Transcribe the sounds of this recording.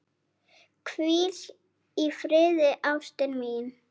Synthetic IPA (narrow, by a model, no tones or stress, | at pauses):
kʰviːɾ | ifɾɪːðɪʔawst̪ɛnmin